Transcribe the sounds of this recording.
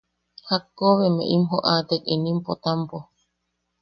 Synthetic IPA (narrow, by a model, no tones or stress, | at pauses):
hakːoβemḛʔimɦoʔat̪ekinĩmpot̪ampo